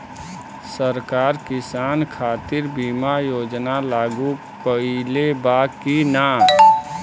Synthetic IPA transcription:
səɾkaːɾkɪsaːnkʰaːt̪ɪɾbimajoːd͡ʒnalaːɡu | pəilebakina

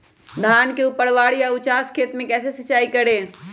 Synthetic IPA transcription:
d̪ʱaːnkeupəɽʋaːɽijaʊt͡ʃaːskʰeːt̪mẽkɛːsesɐt͡ʃaːikɐɾeː

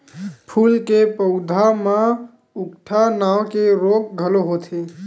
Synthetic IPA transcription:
pʰulkepəʊd̪ʱamã | ukʈʰanawkeɾok̚ɡʱəloɦot̪ʰe

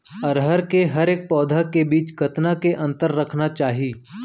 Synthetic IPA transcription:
ɐɾɦəɾkeɦɐɾeːk̚pɔːd̪ʱakebiːt͡ʃɡʱɐt̪nakeʔɐ̃nt̪əɾːɐkʰnat͡ʃaːɦiː

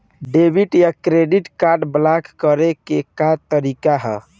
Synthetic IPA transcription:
ɖebiʈjakɾeɖiʈkaɾɖblakːəɾekekat̪əɾikaɦɛ

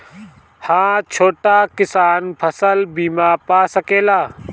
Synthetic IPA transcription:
hãːt͡ʃʰoːʈakɪsaːnpʰəsəlbiːmaːpaːsəkeːlaː

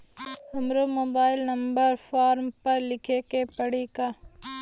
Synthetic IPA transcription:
ɐmɾomoːbaːɪlnɐmbəɾfʰaːɾmpɐɾlɪkʰekepɐɽikaː

